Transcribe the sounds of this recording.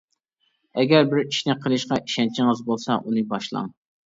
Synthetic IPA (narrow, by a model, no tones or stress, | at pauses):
ɛɡʲɛɾbɪɾiʃnɪqʰəlˠɨʃqɑʔiʃɛnt͡ʃʰɪŋəzbolˠsɑʔunɨbɑʃlˠɑ̰ŋ